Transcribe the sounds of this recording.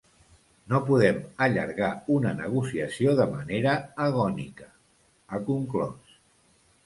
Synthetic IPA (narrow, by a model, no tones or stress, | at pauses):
nopuðɛməʎə̰ɾɣaunənəɣ̞usiəsioðəməneɾəːɣ̞ɔnikə̥ | əkuŋklɔ̰s